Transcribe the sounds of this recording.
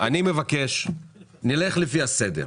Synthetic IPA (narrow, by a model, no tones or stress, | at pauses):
ʔanime̞vakeʃnile̞χlefiased̪ḛʁ